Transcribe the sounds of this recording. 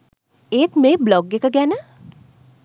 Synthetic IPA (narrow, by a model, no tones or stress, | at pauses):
eːt̪meblɔɡekəɡanə